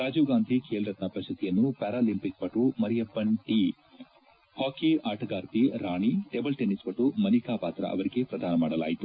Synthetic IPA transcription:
ɾaːd͡ʒuːɡaːnd̪ʱikʰeːlɾɐt̪nɐpɐʃɐt̪ijɐnːupɛːɾaːlimpik̚pɐʈːumɐɾijɐpːɐɳʈi | hoːkeʔaːʈʰɐɡaːɾt̪iɾaːɳiʈebɐlʈenispɐʈːumɐnikaːpaːt̪ɾɐ̰ʔɐ̰ʋɐɾiɡe̞pɾɐd̪ʱaːnɐmaːɽɐla̰ːjit̪u

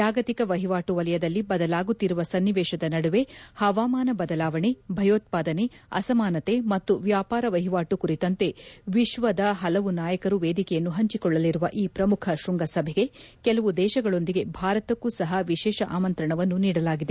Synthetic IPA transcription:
d͡ʒaːɡɐt̪ikɐʋɐɦiʋaːʈuʋɐlɐjɐd̪ɐlːibɐd̪ɐlaːɡut̪ːiɾuʋɐsɐnːiʋɛːʃɐd̪ɐnɐɽuʋe̞hɐʋaːmaːnɐbɐd̪ɐlaːʋɐɳebʱɐjo̞ːt̪̚paːd̪ɐneɐ̰sɐmaːnɐt̪e̞mɐt̪ːuʋjaːpaːɾɐʋɐɦiʋaːʈukuɾit̪ɐnt̪e̞ʋiʃʋɐd̪ɐɦɐlɐʋunaːjɐkɐɾuʋeːd̪ikɛjɐnːuɦɐɲt͡ʃikɔɭːɐliɾuʋɐʔiːpɾɐmukʰɐʃɾuŋɡɐsɐbʱeɡe̞kɛlɐʋud̪ɛːʃɐɡɐɭo̞nd̪iɡe̞bʱaːɾɐt̪ɐkːuːsɐɦɐʋiʃɛːʃɐʔa̰ːmɐnt̪ɾɐɳɐʋɐnːuniːɽɐlaːɡid̪e

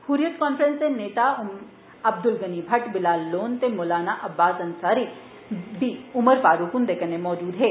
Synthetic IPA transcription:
huːɾijət̪kɔːnfəɾə̃nseneːt̪aʊm | ɐb̚d̪ʊlɡɐnibʱɐʈbɪlaːlːoːnt̪emoːlaːnaʔɐbːaːsɐnsaːɾi | biʊməɾfaːɾukʊnd̪eːkənemɔːd͡ʒuːd̪ɦɛː

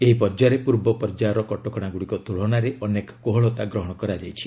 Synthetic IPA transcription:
eɦipɔɾd͡ʒaɾepuɾbɔpɔɾd͡ʒaɾɔkɔʈɔkɔɽ̃aɡuɽikɔt̪uɭ̤ɔɽaɾeʔɔnekɔ̥koɦɔɭɔt̪aɡɾɔɦɔɽ̃ɔkɔɾad͡ʒajt͡ʃʰi̥

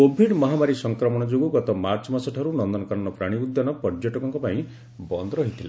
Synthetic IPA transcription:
kobʱiɖmɔɦamaɾisɔŋkɾɔmɔɽ̃ɔd͡ʒoɡuɡɔt̪ɔmaɾt͡ʃɔmasɔʈʰaɾunɔnd̪ɔnɔkaɾɔɳ̃ɔpɾaɽ̃iud̪janɔpɔɾd͡ʒjɔʈɔkɔŋkɔpaĩ | bɔnd̪ɔɾɔɦit̪ʰila

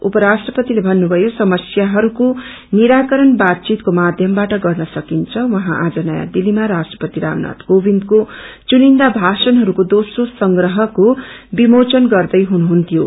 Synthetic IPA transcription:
upʌɾasʈrʌpʌt̪ilebʱʌnːubʱʌjosʌmʌsjaɦʌɾuko | niɾakʌɾʌnbat̪̚t͡sit̪komad̪ʱjʌmbaʈʌɡʌrnʌsʌkint͡sʰʌwʌɦãʔad͡zʌnʌja̰d̪ilimaɾasʈrʌ̥pʌt̪iɾa̰mna̰t̪ɡ̥obʱind̪kot͡sunind̪abʱasʌnɦʌɾukod̪osrosʌŋɡɾʌɦʌkobimot͡sʌnɡʌrd̪ʌjɦunuɦunt̪ʰijo

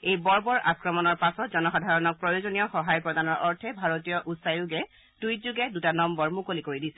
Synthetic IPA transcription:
ejbɔɹbɔɹʔakɹɔmɔnɔɹpasɔtzɔnɔxadʱaɹɔnɔk̚pɹɔjozonijɔxɔɦajpɹɔdanɔɹʔɔɹtʰɛbʱaɹotijɔʔutsajuɡɛ | tujtzuɡɛdutanɔmbɔɹmukolikoɹidisɛ

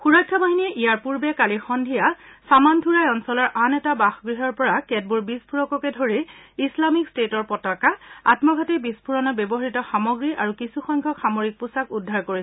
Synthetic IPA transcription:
xuɹakʰːabaɦiniɛʔijaɹpuɹbɛkalixɔndʱijasamantʰuɹajɔnsɔlɔɹʔanɛtabaxɡɹiɦɔɹpɔɹakɛt̚buɹbispʰuɹɔkɔkɛdʱoɹiislamikstetɔɹpɔtɔkaa̰tmɔɡʱatibispʰuɹɔnɔbebɔɦaɹitɔxamɔɡɹiaɹukisuxɔŋkʰɔkxamoɹik̚pusakudʱːaɹkoɹi

